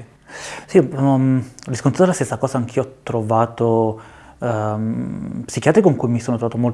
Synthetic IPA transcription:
si | riskont̪ɾat̪d̪elast̪esːakɔːzaaŋk̟iːɔt̪ːɾovaːt̪o | psikjaːt̪ɾikoŋkujmisoːnot̪ɾovaːt̪omolt̪

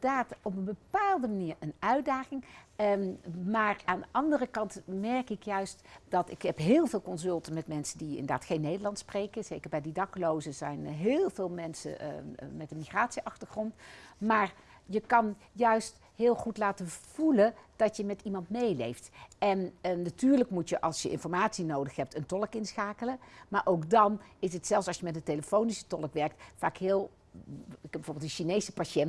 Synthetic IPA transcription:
daːtɔpənbəpaːlˠdəmaniːɹənœɥtdaːχɪŋ | maːɹaːndəʔɑndərəkɑntmɛɹkɪkjœɥstd̥ɑtɪkɦɛpɦɪːlˠvɪːlˠkɔnzɵlˠtəmɛtmɛnsəndiɪ̰ndəda̰ːtχejnːejdəɹlɑntsprejkəz̥ejkəɹbɛjdidɑkəlowzəzɛjnɦɪːlˠvɪːlˠmɛnsə̰mɛtənmiχraːtsiʔɑχtəɹχrɔntmaːɹ | jəkɑn | jœɥst | ɦɪːlˠχutlaːtəv̥ulənd̥ɑtjəmɛtimɑntmejlḛjftɛnːatyːɹləkmutjəʔɑlˠsjəʔɪ̰nfɔɹmaːtsinowdəχɦɛp̚təntɔləkɪnsχaːkələmaːɹʔowkdɑnɪs̬ətsɛlˠsɑlsjəmɛtəteləfownisə̥tɔləkʋɛɹk̚tfaːkɦɪːlˠ | kɛbɛvoːɹbɪlˠdəʃinejsəpaʃɛn

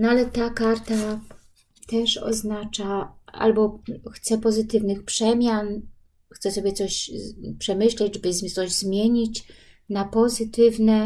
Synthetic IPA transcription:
nɔalɛt̪akaɾt̪a | t̪ɛʂɔ̰znat͡ʂaa̰lbɔxt̪sɛpɔzɘt̪ɘvnɘxpʂɛmʲjan | xt̪sɛsɔbʲjɛt̪sɔɕpʂɛmɘɕlɛd͡ʑɛbɘzt̪sɔʑzmʲjeɲit͡ɕ | napɔzɘt̪ɘvnɛ

